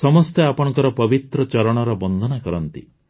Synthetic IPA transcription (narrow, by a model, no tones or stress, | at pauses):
sɔmɔst̪eapɔɽ̃ɔŋkɔɾɔpɔbit̪ɾɔt͡ʃɔɾɔɽ̃ɔɾɔbɔnd̪ʱɔnakɔɾɔnt̪ḭ